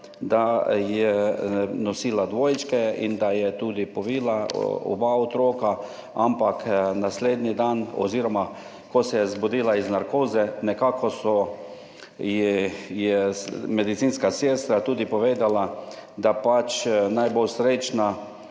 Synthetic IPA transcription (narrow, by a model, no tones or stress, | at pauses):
d̪ajɛ | nɔsiːlad̪ʋoːjt͡ʃkɛḭnd̪ajɛt̪uːd̪ipɔʋiːlaɔ̰baɔt̪ɾoːka | ampaknasleːd̪nid̪anɔ̰ziɾɔma | kɔsɛjɛzbod̪iːlaiznaɾkoːzɛnɛkaːkʰɔsɔ | jɛjɛmɛd̪it̪siːnskaseːst̪ɾat̪uːd̪ipɔʋeːd̪alad̪apat͡ʃnajbowsɾet͡ʃna